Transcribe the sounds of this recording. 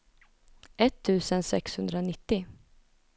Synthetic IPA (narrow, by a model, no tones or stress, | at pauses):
ɛt̪ʰːʉ̟ːsənsɛ̰kshɵnd̪ɾanɪt̪ːɪ